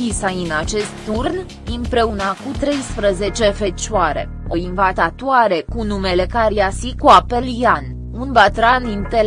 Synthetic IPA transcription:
isainat͡ʃe̞st̪ːurn | ɨmpɾe̞unakut̪ɾe̞jspɾəze̞t͡ʃe̞fe̞t͡ʃuaɾe̞̰ | o̞invat̪at̪uaɾe̞kunumele̞kaɾiasikuapeljan | unbat̪ɾanint̪e

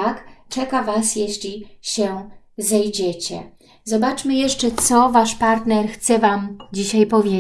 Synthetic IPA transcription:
akt͡ʂɛkavasjɛɕlʲiɕɛ | zɛjd͡ʑɛt͡ɕɛ̰ | zɔbat͡ʂmɘjɛʂt͡ʂɛt̪sɔvaʂpaɾt̪nɛɾxt̪sɛvamd͡ʑiɕajpɔvʲje

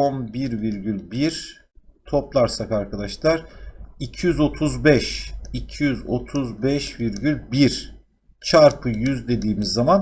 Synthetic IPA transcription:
onbiɾviɾɟylʲbiɾ | t̪ʰo̞plˠaɾsakaɾkʰad̪aʃlˠaɾ̥icʰijyzo̞t̪ʰuzbɛʃicʰijyzo̞t̪ʰuzbɛʃviɾɟylʲbiɾ | t͡ʃʰaɾpʰɯjyzd̪e̞d̪iːmizːaman

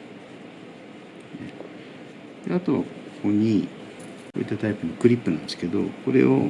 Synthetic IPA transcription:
nḛ | d̪̥eat̪o̞βakko̥ko̞ɲ̟i | ko̞ːit̪ːat̪aipɯ̟mokɯ̟ɾʲipːɯnã̰nd̪sɨ̥ke̞d̪o̞̰ko̞ɾe̞̰o

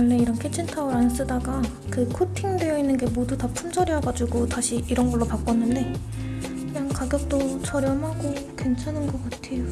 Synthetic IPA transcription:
ʌɭːe̞iɾʌnkʰet͡ɕʰintʰaɯɾans͈ɯdaɡa | kɯkʰotʰiŋdwe̞jʌinːɯnɡe̞modutʌpʰumd͡ʑʌɾjʌɡad͡ʑuɡotaɕʰiʔiɾʌnɡʌɭːopak͈̚ʌnːɯnde̞ | kɯɲaŋkaɡjʌk̚t͈ot͡ɕʰʌɾjʌmɦaɡokwe̞nt͡ɕʰanɯnɡʌk͈atʰe̞jo

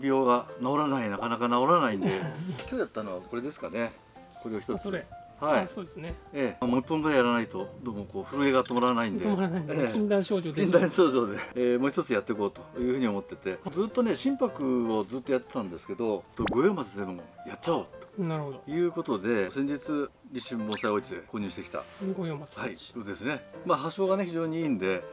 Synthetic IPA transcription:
bʲjo̞ːɡanao̞ɾanainakanakanao̞ɾanaĩnd̪e̞kʲo̞ːjat̪ːano̞βako̞ɾe̞d̪e̞sɨ̥kane̞ | ko̞ɾe̞açi̥t̪ot͡sɨhaiod̪esnemopːõ̞d̪ɡ̪oajaɾanait̪o̞d̪oːmo̞ko̞ːɸɯ̟ɾɯ̟e̞ɡaat̪ːe̞moɾanaĩnd̪eaieĩnd̪ãɕoːokʲĩnd̪ãɰ̃ɕo̞ːʑo̞ːd̪e̞mo̞ːçi̥t̪o̞t͡sɨjat̪ːeko̞ːt̪o̞jɯ̟ːɸɯ̟ɲ̟iomo̞t̪ːe̞t̪e̞d͡zɨːt̪ːo̞ne̞ɕĩmpakɯ̟o̞d͡zɨːt̪ːo̞jat̪ːe̞t̪ãnd̪e̞sɨ̥ke̞d̪o̞t̪ːoɡo̞jo̞ːmat͡sɨd̪ebõjat͡ɕːaot̪o̥naɾɯhod̪ojɯ̟ːko̞t̪o̞d̪e̞sẽ̞ɲ̟d͡ʑit͡sɨɾʲiɕĩmbõ̞saio̞t͡ɕid̪e̞ko̞ːɲ̟ɨːɕi̥t̪e̞kʲi̥t̪a̰ɡojoːmahaiod̪e̞sɨne̞maɦaɕo̞ːɡane̞çiʑo̞ːɲ̟iiːnd̪e̞

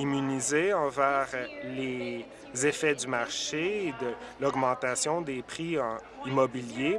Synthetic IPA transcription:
imynizeɑ̃vɛːʁle | zefɛd̪ymaʁʃed̪əlɔɡmɑ̃t̪asjɔ̃d̪epχiɑ̃ | imɔbilje

